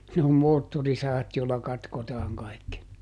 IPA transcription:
ne om moːtːorisɑhɑt joˑilːɑ kɑtkotɑːŋ kɑi̯kːi

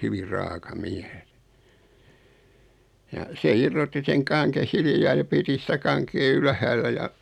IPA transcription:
hyʋir rɑːkɑ miæs jɑ se irːotːi seŋ kɑŋkeh̆ hilĭjɑː jɑ piti sĭtæ kɑŋkeː ylhæːlːæ jɑ

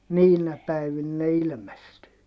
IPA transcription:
niːnæ pæiʋin ne ilmestyː

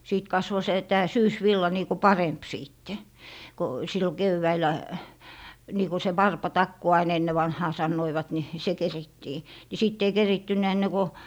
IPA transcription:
siˑt kɑsʋo se tæː syːsʋilːɑ niːku pɑremp siˑtːe ko silːo keʋːæilˑæ niːku se wɑrpɑtɑkːu ɑin enːe ʋɑnhɑː sɑnːoiʋɑt ni se keritːiː ni sitː ei keritːynˑæ enːe ko

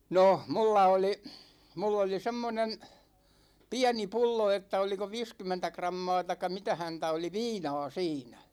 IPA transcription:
noh mulːɑ oli mulː oli semːonen piæni pulːo etːæ oliko ʋiːskymːentæ krɑmːɑː tɑĭkˑɑ mitæ hæntæ oli ʋiːnɑɑ̝ siːnæ

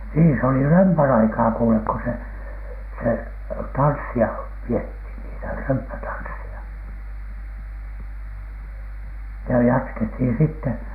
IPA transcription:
niːn se oli rømpæn ɑikɑː kuːlek ko se se tɑnsːiɑ piethin niːtæ rømpːætɑnsːiɑ jɑ jɑtkethin sitːe

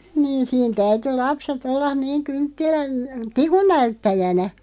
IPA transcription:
niːn̞ siːn tæyty lɑpset olːɑn̆ niːŋ kyŋtːilæn tikun næytːæjænæ

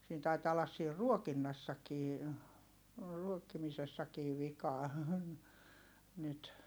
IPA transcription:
siːn tɑitɑː olːɑs siːr ruokinːɑsːɑkiː ruokːimisesːɑkiːʋ̆ ʋikɑː nyt

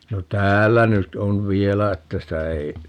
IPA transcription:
no tæːlːæ nyt on ʋielæ etːæ sitæ ei

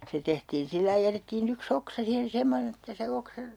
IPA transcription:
se tehtiːn silːɑi jætetːiːn yks oksɑ siːhen semonen etːæ se oksɑ

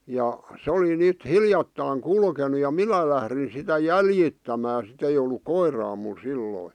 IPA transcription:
jɑ se oli nyt hiljɑtːɑˑĭŋ kulkenu jɑ minæ læhrin sitæ jæljitːæmæː sit ei olˑuk koirɑː mul silːoi

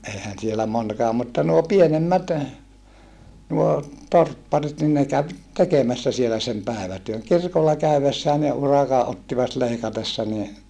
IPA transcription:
eihæn sielæ monkɑː mutːɑ nuo pienemːæt nuo torpːɑrit nin ne kæʋ tekemæsːæ sielæ sem pæˑeʋætyøŋ kirkolːɑ kæyʋesːæː ne urɑkɑ ʔotːiʋɑt leikɑtesːɑ ni

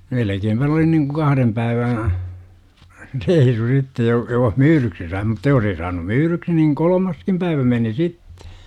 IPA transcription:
melekeːmpæ n oli niŋku kɑhrem pæiʋæ̃ː reisu sitːe joh joh myːryksi sɑi mutːɑ jos ei sɑːnum myːryksi niŋ kolomɑskim pæiʋæ meni sitːe̥

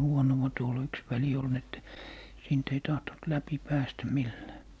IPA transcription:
huonowɑ tuol yks ʋæli ol n etːæ siːnt ei tɑhton̆t læpi pæːstæ milːæː

